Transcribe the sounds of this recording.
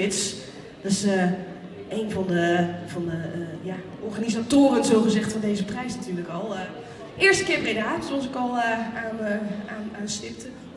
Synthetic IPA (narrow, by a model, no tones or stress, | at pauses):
ɪts | dɑsə | ejnvɑndəv̥ɑndəja | ʔɔɹχanizatoːrənzoːχəzɛχtfɔndejzəprɛjsnatyːɹləkɔlˠ | ɪːəɹstəkɪːəɹbrejdaːtsɔs̬ɪkɔlˠaːnəanaːnstɪp̚tə